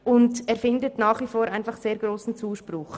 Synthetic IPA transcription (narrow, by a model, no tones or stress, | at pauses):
ʊndɛːɾfɪndətnaːχʋifoːɾʔaɪnfɑχseːɾɡɾoːsn̩t͡suːʃpɾʊχ